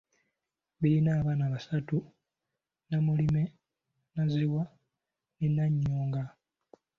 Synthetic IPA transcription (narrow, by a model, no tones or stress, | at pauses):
βiɾinaːβaːnaβasatu | namulime | naziwa | ninaɲːoːŋɡa